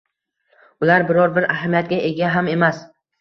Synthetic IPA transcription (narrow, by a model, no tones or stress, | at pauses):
ʊlaɾbɪɾɒɾbɪɾaɦamijat̪̚ɡʲaʔe̞ɡʲaɦame̞mas